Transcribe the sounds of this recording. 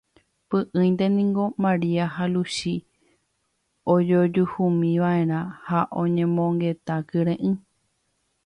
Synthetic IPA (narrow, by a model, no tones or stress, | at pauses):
pɨʔɨ̃j̃nt̪̬e̞nĩŋɡo̞mãɾiaɦaluʃi | od͡ʒod͡ʒuhumĩʋaʔẽ̞ɾ̃ãhaʔõɲẽ̞mõŋɡe̞t̪akɨɾẽʔɨ̃